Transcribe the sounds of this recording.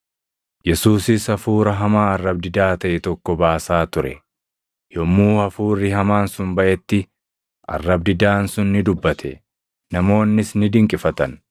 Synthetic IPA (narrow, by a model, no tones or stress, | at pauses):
jɛsuːsɪsɐfuːɾɐɦɐmaːɐrːɐbd̪ɪd̪aːt̪ɐʔɛt̪ɔkːɔbaːsaːt̪ʊɾɛ̰ | jɔmːuːhɐfuːrːɪɦɐmaːnsʊmbɐʔɛt̪ːɪ | ʔɐ̰rːɐbd̪ɪd̪aːnsʊnːɪd̪ʊbːɐt̪ʰɛ | nɐmo̞ːnːɪsnɪd̪ɪŋkʼɪfɐt̪ɐn